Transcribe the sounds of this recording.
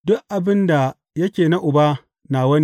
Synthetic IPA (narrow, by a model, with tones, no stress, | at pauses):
dʊ˦ʔʔa˨bɪ˦nda˨ | jɐ˦kʲeː˨na˦ʔʊ˨ba˦ | naː˨wɐ˦ni˦